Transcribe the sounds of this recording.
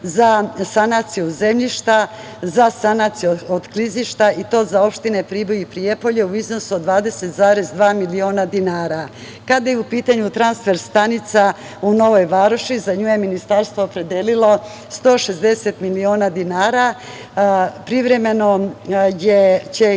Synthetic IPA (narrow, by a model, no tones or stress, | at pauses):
zasanat̪sijod̪ze̞mʎiʃt̪a | zasanat̪siuod̪kliziʃt̪ait̪o̞ːzaopʃt̪inepɾibojipɾiepo̞ʎeuizno̞suod̪ʋaːd̪e̞se̞t̪zaːɾe̞zd̪ʋaːmilio̞ːnad̪inaːɾa | kad̪ajeupiːt̪aɲut̪ɾansfe̞ɾst̪anit̪sa | uno̞ʋojʋaːɾoʃizaɲuːjeminist̪aɾst̪vo̞ːpɾe̞d̪eːlilˠo̞ | st̪o̞ːʃe̞zd̪e̞se̞t̪milio̞ːnad̪inaːɾa | pɾiʋɾe̞me̞no̞jet͡ɕe